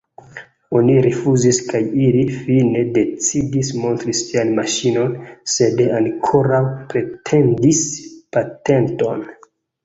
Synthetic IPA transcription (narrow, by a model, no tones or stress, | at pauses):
o̞niɾefuziskajilifine̞de̞t͡sidismo̞ntɾisianmaʃino̞nse̞dankʰoɾawpɾe̞tʰe̞ndispate̞nto̞n